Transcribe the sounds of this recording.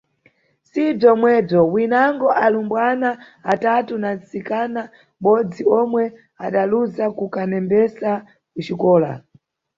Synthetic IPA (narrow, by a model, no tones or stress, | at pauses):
sib͡ʐɔmwɛb͡ʐɔwinaŋɡɔʔalumbwana | atatunat͡sikana | ɓɔd͡ziɔmwɛ | aɗaluzakukanɛmbɛsa | kut͡ʃikɔːla̰